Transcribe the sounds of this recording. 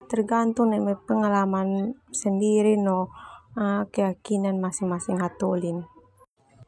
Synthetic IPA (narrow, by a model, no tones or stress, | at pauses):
t̪ərɡant̪uŋnɛmɛpəŋalamansəndiɾinɔakəjakinanmasiŋmasiŋat̪olinɛ